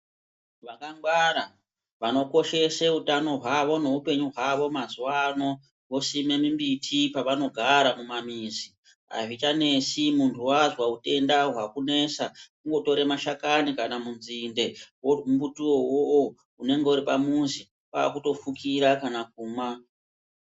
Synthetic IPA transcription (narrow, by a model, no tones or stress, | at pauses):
ʋakaŋɡwaɾa | ʋano̞ko̞ʃe̞seutano̞ɦwaʋo̞no̞upe̞ɲuɦwaʋo̞mazuwano̞ | wo̞sime̞mimbitʰipaʋano̞ɡʱaɾamumamizi | a̰ʐit͡ʃane̞simuntʰuwaʐwaute̞ndaɦwakune̞sakuŋɡo̞to̞ɾemaʃakanikanamunzinde̞woumbutuowoʔo | une̞ŋɡe̞uɾipamuzi | pa̰ːkuto̞fukiɾakanak̚uːmwa